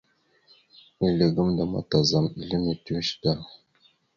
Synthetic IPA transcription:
i˨lə˨ɡə˦mda˨ma̰˨ta˨za˨mi˨ɮi˦mi˨tu˦ʃda˦˨

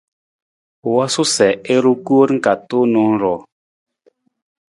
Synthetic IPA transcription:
wa˦su˦sɛ˨e˦ɾu˦ku˦ɾŋ̩˦ka˨to˦nɔ˦ŋ˦ɾɔ˨

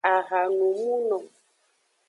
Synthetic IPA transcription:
a˨ɣa˨nu˨mu˦nɔ̃˨

